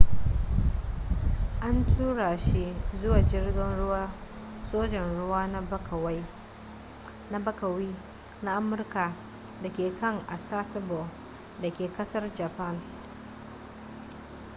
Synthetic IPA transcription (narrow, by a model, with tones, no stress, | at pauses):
ʔa˦ntʰuː˦ɽa˨ʃi˦zʊ˦waː˨d͡ʒɪ˦rɡʲɪ˦nɽʊ˦waː˦ | soː˦d͡ʒɛ˨nɽʊ˦waː˦na˦kwa˦j | na˦bɐ˦kɐ˨wiː˦ | na˦ʔa˦mʊ˦rka˨ | da˨kʲeː˨kɐ˦˨ŋʔa˨saː˦sɐ˦bɔ˨ | da˨kʲeː˨kɐ˦sɐ˦rd͡ʒa˨pa˦˨n